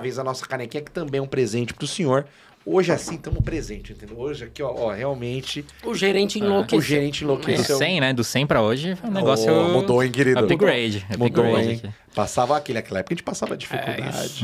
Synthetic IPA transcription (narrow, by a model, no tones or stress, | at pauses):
vejzɐnɔsɐ̥kanɛkĩɲɐkɪ̥t̪ɐ̃mbẽɛũpɾezẽnt͡ʃɪ̥pɾʊsĩɲoɾ | oʒɪasĩt̪ɐ̃mʊpɾezẽnt͡ʃɪẽnt̪ẽnd̪ewoʒɪakiɔɔheawmẽnt͡ʃɪʊʒeɾẽnt͡ʃẽlokʊʒeɾẽt͡ʃɪẽlokeʊsewsẽj̃nɛd̪ʊsẽj̃pɾɐoʒɪ̃neɡɔssjʊmud̪oẽj̃kɪɾiʊɡɾejd͡ʒɪmud̪oẽ | pasavɐakelɪɐkɛlɐɛpkɐʒẽt͡ʃɪpasavɐd͡ʒifikud̪a̰d͡ʒɪ